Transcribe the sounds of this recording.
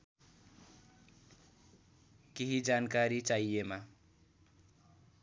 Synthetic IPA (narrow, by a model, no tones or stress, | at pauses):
keɦid͡zankaɾit͡sajema